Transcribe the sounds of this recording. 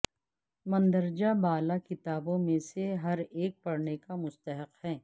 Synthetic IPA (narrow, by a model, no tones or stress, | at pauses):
mɐ̃nd̪əɾd͡ʒabaːlakɪt̪aːbõmẽseɦɐɾeːk̚pɐɽnekamʊst̪əɦəqhɛ̃ː